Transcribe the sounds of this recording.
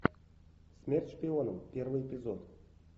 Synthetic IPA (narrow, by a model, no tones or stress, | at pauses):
sʲmʲerʲtʲʂpʲɪonəmpʲervɨjepʲɪzot̪